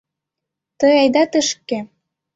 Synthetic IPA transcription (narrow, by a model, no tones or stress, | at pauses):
t̪əjɑjd̪ɑt̪əʃkːe